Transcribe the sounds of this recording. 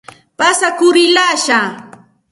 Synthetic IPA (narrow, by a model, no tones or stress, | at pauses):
pasakʊɾɪlaːʃa